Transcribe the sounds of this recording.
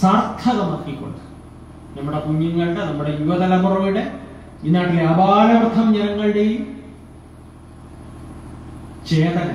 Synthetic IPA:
saːrt̪ʰɐɣɐmɐːkːikʲːo̞̰ɳɖɨ | nɐmːuɽe̞puɲːɐŋːɐɭɽenɐmːuɽe̞juʋɐðɐlɐmurɐmiɽe | inːaːʈːileɐbaːlɐrt̪ʰːɐmɲɐɐŋːɐɭiɽe̞jum | t͡ɕeːt̪ɐnɐ

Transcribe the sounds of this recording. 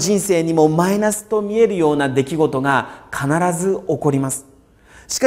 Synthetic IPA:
ʑĩɰ̃se̞ːɲ̟imo̞mainasɨ̥t̪o̞mʲie̞ɾɯ̟jo̞ːnad̪e̞kʲiɡo̞t̪o̞ɡakʰanaɾazɨo̞ko̞ɾʲimasɨ̥ | ɕi̥ka

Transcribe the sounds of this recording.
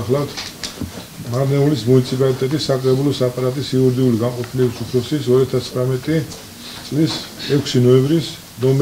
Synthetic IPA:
χlˠat̪ʰ | maɾnɛulismunit̪sʰipʼalit̪ʼɛt̪ʼisːakʼɾɛbulɔsapʼaɾat̪ʼisiuɾd̪iuliɡanqʼɔpʰilɛbisupʰɾɔsisɔɾiat̪ʰast̪χɾamɛt̪ʼi | t̪sʼlisɛkʰsinɔɛmbɾis | nɔm

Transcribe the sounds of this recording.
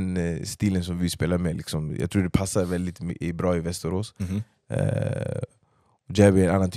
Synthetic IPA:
nst̪iːlənsɔmvɪspeːlamɛlʔɪ̰ksɔmjɑ̰ɡt̪ʰɾuːɖɛpʰasːaɾvɛld̪ɪt̪mɪbɾɑːɪvɛst̪əɾoːs | ɔd͡ʒæːbɪɾɛnanːant̪ʰ

